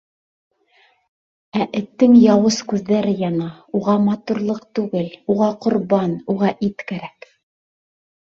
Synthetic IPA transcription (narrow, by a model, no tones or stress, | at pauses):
æʔɘ̆t̪ːɘŋjɑwɤskʉðːæɾɘjɑnɑ | uʁɑmɑt̪uɾlˠɤq̚t̪ʉɡɘluʁɑqŏɾbɑnuʁɑʔit̪kæɾæk